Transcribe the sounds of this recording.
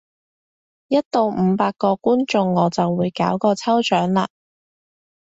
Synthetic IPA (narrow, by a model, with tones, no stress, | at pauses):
jɐ˥t̚t̪o˨˧wm̩˨˧paː˧kːɔː˧kuː˥nt͡ʃʊ˧ŋːɔː˨˧˥t͡sɐ˨wːuː˨˧jkaː˨˥wkɔː˧t͡sʰɐ˥wt͡ʃœː˨˥ŋla̰ː˧˩